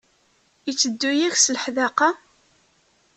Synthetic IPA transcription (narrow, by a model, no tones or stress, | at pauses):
it͡sːəd̪ːujiçsləħðæqɑ